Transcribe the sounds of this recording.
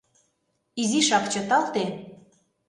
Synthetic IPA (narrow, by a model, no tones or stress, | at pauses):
iziʃɑkt͡ɕot̪ɑlt̪e